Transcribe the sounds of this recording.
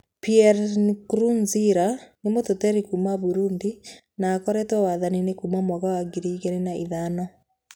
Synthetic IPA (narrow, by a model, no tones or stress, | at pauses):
piɛɾnkɾunziɾanemototɛɾikumaβuɾuːndi | naːkɔɾɛtwɔwaðaninekuːmamwɔɣawaɡiɾiːɣenenaʔiðanɔ